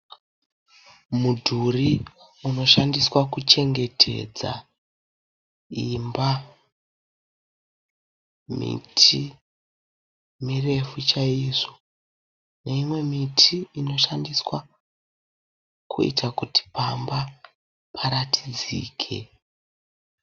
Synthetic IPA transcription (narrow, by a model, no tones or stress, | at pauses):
mudʱuri | uno̞ʃandiswakut͡ʃe̞ŋɡe̞tʰe̞̰d͡za̰ | imba | mḭtʰi | mire̞fut͡ʃaiːʐo̞ | ne̞imwe̞mitʰiino̞ʃandiswa | kʰuḭtakuti̥pamba | pʰaɾatʰi̥d͡zḭːkʰe̞̰